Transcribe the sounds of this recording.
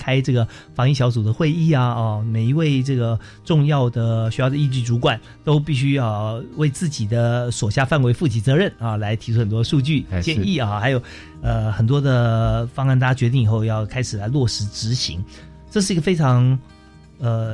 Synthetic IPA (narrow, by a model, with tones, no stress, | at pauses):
kʰa˥ɪʈ͡ʂɤ˥˩ɡə˩fɑ˧˥ŋi˥˩ɕjɑ˧˥ʊt͡su˨˩d̪ə˦xwe˥˧ɪi˥˩a˩ɐ˧me˨˩ɪi˧˥we˥˧ɪʈ͡ʂɤ˥˩ɡə˩ | ʈ͡ʂʊ˥˧ŋjɑ˥˩ʊd̪ə˩ɕy˥jɑ˥˩ə˦˧i˥˧t͡ɕy˥˩ʈ͡ʂu˧˥kwa˨˩˦n | t̪o˥ʊp̬i˥˩ɕy˥jɑ˥˧ʊwe˥˧ɪt͡sɹ̩˥˩t͡ɕi˨˩d̪ə˦swɔ˨˩ɕja˥˧fa˥˩nwe˧˥ɪfu˥˩t͡ɕʰi˧˥˩t͡sɤ˧˥ɻə˥˩nɐ˧la˧˥ɪt̪ʰi˧˥ʈ͡ʂʰu˧˥xə˨˩nt̪wɔ˥d̪ə˧ʂu˥˧t͡ɕy˥˩t͡ɕjɛ˥˧ni˥˩ɐ˥˩xa˧˥ɪjo˨˩ʊ | ə˧xə˨˩nt̪wɔ˥d̪ə˨fɑ˥ŋ˥˩nt̪a˥˩a˥t͡ɕɥɛ˧˥i˥˩ŋi˨˩xo˥˧ʊjɑ˥˩ʊkʰa˥ɪʂɻ̩˨˩la˧˥ɪlwɔ˥˩ʂɻ̩˧˥ʈ͡ʂɻ̩˧˥ɕḭ˧˥ŋ | ʈ͡ʂɤ˥˧ʂ̬ɻ̩˥˩i˧˥ɡə˧fe˥ɪʈ͡ʂʰɑ˧˥ŋ | ə˧